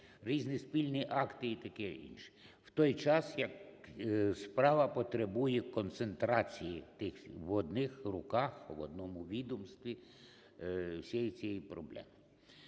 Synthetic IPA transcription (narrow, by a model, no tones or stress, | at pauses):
ɾʲiznispʲilʲnɪʔɑkt̪ɪːt̪ɐkɪḭnʃɪ̥ | w̥t̪ɔjt͡ʃɑsjɐk | spɾɑʋɐpɔt̪ɾebujɛkɔnt̪sent̪ɾɑt͡sʲijit̪ɪxʋɔd̪nɪxrʊkɑxʋɔ̰d̪nɔmʊʋʲid̪ɔmst̪ʋʲi | wsʲɛjit͡sʲijɛjipɾɔblˠɛ̰mɪ